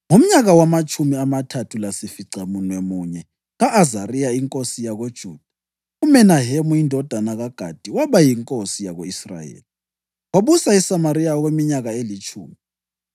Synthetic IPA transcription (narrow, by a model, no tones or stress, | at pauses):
ŋom̩ɲaɣawamat͡ʃʰʼumiamatʰatʰulasifiǀʱamunwemuɲɛ | ɣaʔːzarijaiŋkʼosijaɣod̥ʒ̥ʱuːd̥ʱa | umɛnaɦemuindʱɔd̥ʱanaɣaɡ̥ʱa̰d̥ʱiwaɓajiŋkʼosijaɣoisra̰jḛːli | waɓusaisamaɾijaɔɣwemiɲaɣaelit͡ʃʰṵːmi